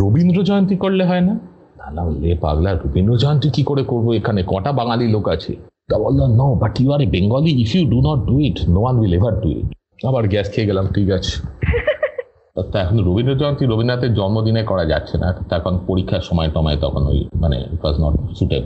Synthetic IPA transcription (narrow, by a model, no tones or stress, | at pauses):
ɾobʱind̪ɾod͡ʒɔjont̪ikoɽleɦɔena | nanalepa̰ɡlaɾobʱind̪ɾod͡ʒɔjont̪ikikoɾekoɾboekʰanekɔʈabaŋalilokat͡ɕʰḛ | t̪abolːanobaʈjuaɾebeŋɡɔliːfjuɖunɔʈ̚ɖuiʈnowanwilevɐɾɖuḭʈ | abaɾɡɛskʰeeɡelamtikat͡ɕʰːe | at̪ɛkʰonɾobʱind̪ɾod͡ʒɔjont̪iɾobʱind̪ɾat̪ed͡ʑɔnmod̪inekɔɾad͡ʑa̰tːɕʰena̰t̪t̪ːɛkʰonpoɾikʰːaɾʃɔmɔet̪ɔmɔet̪ɔkʰono̰j̰manḛḭʈwɔznɔ̰ʈsuʈḛɖ